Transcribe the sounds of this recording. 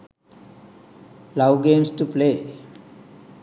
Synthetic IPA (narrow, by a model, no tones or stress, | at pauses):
lawɡẽmsʈuple